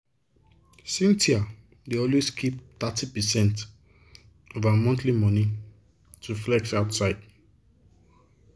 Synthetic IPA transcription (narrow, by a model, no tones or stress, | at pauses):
sĩntʰia | deɔlweskʰip̚t̪atʰipɛsɛ̃nt | ovamɔ̃ntlimɔ̃ni | tʰuflɛk̚taʊtsaɪd̥